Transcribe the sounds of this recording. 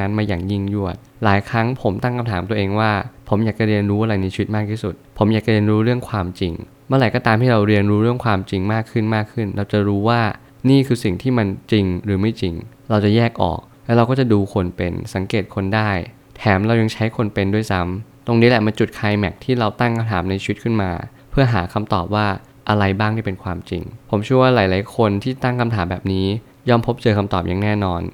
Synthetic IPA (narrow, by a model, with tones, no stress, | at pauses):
a˦˧˥nmaː˧jaː˨˩ŋji˥˩ŋju˥˩ət̪̚laː˩˦jkʰɾa˦˥ŋpʰo˩˦mt̪a˥˩ŋkʰa˧mt̪ʰaː˩˦mt̪u˧ʔeː˧ŋwaː˥˩pʰo˩˦mjaː˨˩k̚t͡ɕa˨˩ɾi˧ənɾuː˦˥ʔa˧ɾa˧jna˧jt͡ɕʰi˧wi˦t̪̚maː˥˩k̚t̪ʰiː˥˩su˨˩t̪̚pʰo˩˦mjaː˨˩kt͡ɕa˧ɾi˧ənɾuː˦˥ɾɯ˥˩əŋkʰwaː˧mt͡ɕi˧ŋ | mɯː˥˩ɾa˨˩jkɔː˥˩t̪aː˧mhʰaː˥˩ɾa˧wɾi˧ənɾuː˦˥ɾɯ˥˩əŋkʰwaː˧mt͡ɕi˧ŋmaː˥˩kʰːɯ˥˩nmaː˥˩kʰːɯ˥˩nɾa˧wt͡ɕa˨˩ɾuː˦˥waː˥˩ | niː˥˩kʰɯː˧si˨˩ŋt̪ʰiː˥˩ma˧nt͡ɕi˧ŋɾɯː˩˦ma˥˩jt͡ɕi˧ŋ | ɾa˧wt͡ɕa˨˩jɛː˥˩k̚ʔɔ̰ː˨˩k̚lɛ˦˥ɾa˧wkɔː˥˩t͡ɕa˨˩duː˧kʰo˧npe˧nsa˩˦ŋkeː˨˩t̪̚kʰo˧ndaː˥˩j | t̪ʰɛː˩˦mɾa˧wja˧ŋt͡ɕʰa˦˥jkʰo˧npe˧ndu˥˩əjsa˦˥mt̪o˧ŋniː˦˥lɛ˨˩ma˧nt͡ɕu˨˩t̪̚kʰaː˧jmɛ˨˩k̚t̪ʰiː˥˩ɾa˧wt̪a˥˩ŋkʰa˧mt̪ʰaː˩˦mna˧jt͡ɕʰiː˧wi˦˥t̪̚kʰɯ˥˩nma̰ː˧ | pʰɯ˥˩ɐɦaː˩˦kʰa˧mt̪ɔː˨˩p̚waː˥˩ | ʔa˧ɾa˧jbaː˥˩ŋt̪ʰiː˥˩pe˧nkʰwaː˧mt͡ɕḭ˧ŋpʰo˩˦mt͡ɕʰu˥˩ɐwaː˥˩laː˩˦jlaː˩˦jkʰo˧nt̪ʰiː˥˩t͡ɕa˨˩t̪a˥˩ŋkʰa˧mt̪ʰaː˩˦mbɛː˨˩p̚niː˦˥ | jɔː˥˩mpʰo˦˥p̚t͡ɕɤː˧kʰa˧mt̪ɔ̰ː˨˩p̚ja˨˩ŋnɛː˥˩nɔː˧n